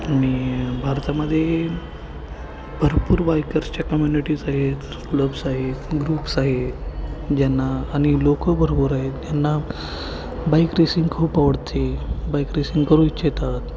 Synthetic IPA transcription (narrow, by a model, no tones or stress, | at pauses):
aɽ̃ibʱaɾt̪aməd̪ʱːje | bʱəɾpuːɾbajkəɾst͡ɕjakəmjuniʈiːd͡zaɦet̪skləbsaɦet̪ɡɾuːpsaɦet̪d͡ʑanːaːɽ̃ilokəbʱəɾpuːɾaɦet̪d͡ʑjanːa | baikɾesĩŋɡkʰəupaʋəɽt̪ʰebajkɾesiŋɡkəɾũit͡ɕjet̪at̪